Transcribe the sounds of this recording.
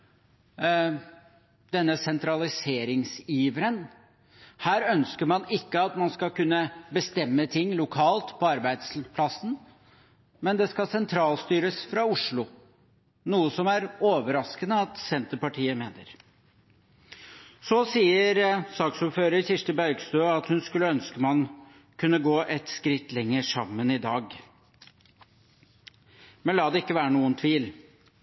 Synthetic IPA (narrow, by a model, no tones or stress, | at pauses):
d̪ɛnːəsɛnt̪ɾɑlɪseːɾɪŋsiːʋəɾən | hæːɾœnskəɾmɑnɪkːəɑt̪mɑnskɑlkʉnːəbəst̪ɛmːət̪ʰɪŋːlʊkʰɑːlt̪pʰɔɑɾbæɪd̪spʰlɑsən̩ | mɛnd̪ɛskɑsɛnt̪ʰɾɑːlst̪yːɾəsfɾɑʊʂɭʊ | nuːəsɔmæɾoːʋəɾɑskənəɑt̪sɛnt̪əɾpɑʈʰiːəmeːnə̰ɾ | sɔsiːəɾsɑːksuːɾføːɾəɾçɪʂʈəbæɾɡst̪øːɑt̪hʉnskʉlːəœnskəmɑn | kʰʉnːəɡoːʔɛt̪skɾɪt̪ːlɛŋːəʂɑmːənɪd̪ɑːɡ | mɛnlɑːd̪ɛɪkːəʋæːɾənuːənt̪ʰʋiːl